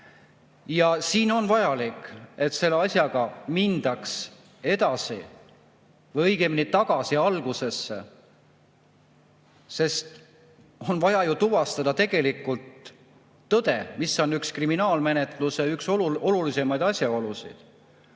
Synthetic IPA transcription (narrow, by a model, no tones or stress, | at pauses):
jɑsiːno̞nvɑjɑlike̞t̪se̞lːeɑsʲjɑɡ̥ɑmind̪̥ɑks | e̞d̪̥ɑsḭ | vɤjɡ̥emnit̪ɑɡ̥ɑsiɑlɡ̥use̞sːḛ | se̞st̪ | o̞nvɑjɑjut̪uvɑst̪ɑd̪ɑt̪e̞ɡ̥e̞likːˑult̪ː | ɤd̪̥e̞̰misːo̞nːykskriminɑːlme̞ne̞t̪ˑluseyksoo̞lulise̞mɑjd̪̥ɑsʲjɑo̞lusḭd̪̥